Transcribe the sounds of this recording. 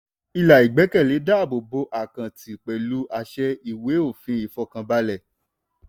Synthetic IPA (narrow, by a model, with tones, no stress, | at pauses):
i˧la˨i˨ɡ͡bɛ˨˦kɛ˦˨le˨˦da˦˨bo˨bo˧˦ʔa˨kã˨ti˨k͡pɛ˨lu˨˦ʔa˧ʃɛ˧i˦˨we˨˦o˦˨fĩ˨˦i˨fɔ˧kã˧ba˧˦lɛ˦˨